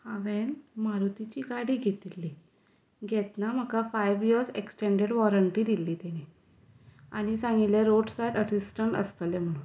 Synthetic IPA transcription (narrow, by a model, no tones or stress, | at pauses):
haʋenmaɾut̪it͡ɕiːɡaɽiːɡʱet̪ilːi | ɡʱɛt̪nam̤əkafajʋjiəɾseksʈeɳɖeɽʋɔɾəɳʈiːd̪ilːiːt̪ɛñi | a̰ñisãŋɡileɾoɖsajʈəʈisʈəɳʈə̰st̪əljem̤əɽ̃uːn